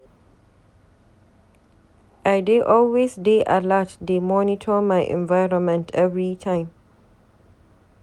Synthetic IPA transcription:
ʔaɪdeʔɔlwesdeʔa̰latdemɔnitʰəmaɪʔɛ̰̃nvaɪɹɔ̃nmɛ̃ntʰɛvɹitʰãɪ̃m

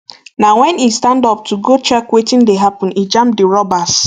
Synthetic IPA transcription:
nawɛ̃nistãndɔp̚tuɡot͡ʃɛkwetɪ̃ndeɦapɔ̃nid͡ʒãmp̚diɹɔbas

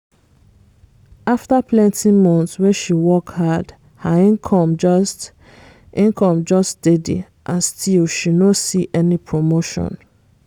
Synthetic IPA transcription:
aftapʰlɛ̃ntʰimɔ̃nθswɛʃiwɔkhad | haĩnkʰɔ̃md͡ʒst | ʔĩnkʰɔ̃md͡ʒɔstd̥edḭ | ʔãnstʰilʃinosiʔɛnipʰɹomoʃɔ̰̃n

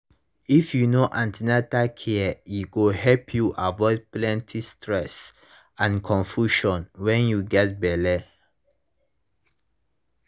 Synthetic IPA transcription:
ifjunoʔãntinatakʰɛɛiɡuɦɛlpʰjuʔavɔɪd̚plɛ̃ntʰistʰɹɛs | ãnkʰɔ̃ɱfjuʃɔ̃nwɛ̃njuɡɛt̚bɛlɛ

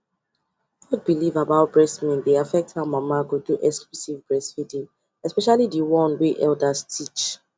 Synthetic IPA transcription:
ɡɔd̚bilivabaʊt̚b̥ɹɛsmɛ̃ndeafɛk̚thamamaɡuduʔɛksklusivbɹɛsfidĩn | ɛspɛʃalidiwɔ̃nwiʔɛldastʰit͡ʃ

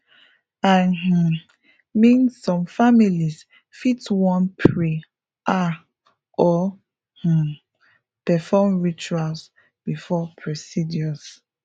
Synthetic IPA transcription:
ãh̩ | mĩnsːɔ̃mfamilis | fitwɔ̃npʰɹi | ʔa | ɔ | h̩ | pɛfɔmɹit͡ʃuals | b̥ifɔpʰɹɛsidiɔs

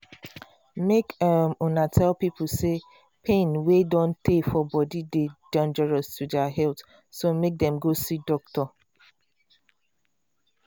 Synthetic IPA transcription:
mekamunatʰɛlpipl̩se | pʰẽnwedɔ̃ntʰefɔbɔdidedɔ̃nd͡ʒɛɹɔstʰudaɦɛlt | somek̚dɛ̃mɡosidɔk̚tɔ

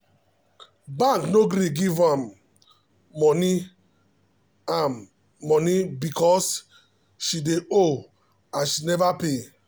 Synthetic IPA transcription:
bãŋknoɡɾiɡivãm | ɔni | ãmː | ɔnibikɔs | ʃideo | ãnʃinɛvape

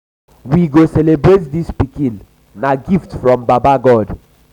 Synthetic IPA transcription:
wiɡosɛlebɹet̚dispikĩn | naɡiftfɹɔ̃mbabaɡɔd

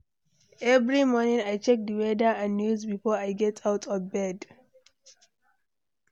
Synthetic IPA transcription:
ɛvɹimɔnĩŋajt͡ʃɛk̚dəwɛdəãnnjuzbifɔajɡɛtʰawtʰɔvbɛd

